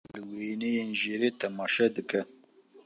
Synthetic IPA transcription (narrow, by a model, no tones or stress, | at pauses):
lɨwenejeːnʒeɾeːt̪ʰɐmɑːʃɛd̪ɨkɛ